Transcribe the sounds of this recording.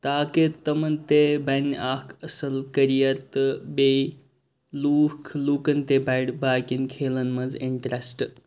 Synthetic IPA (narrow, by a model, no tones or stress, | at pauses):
t̪aːket̪ɐmɐnt̪ebɐnʔaːkʰɐsɐlkɐɾijɐɾt̪ɨbe | luːkʰluːkɐnt̪ebɐɽbaːkinkʰeːlɐnmɐziɳʈɾesʈ